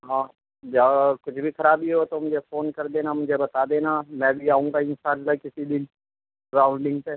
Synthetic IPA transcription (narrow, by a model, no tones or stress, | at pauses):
ɦãː | d͡ʒakʊt͡ʃʰbʱixɐɾaːbiɦot̪omʊd͡ʒʱefoːnkɐɾd̪eːnamʊd͡ʒʱebɐt̪aːd̪eːnamɛ̃ːbʱiaːɦũŋɡaɪnsaːnlakɪsid̪ɪn | ɾaːʊ̃ɳɖɪ̃ŋɡpe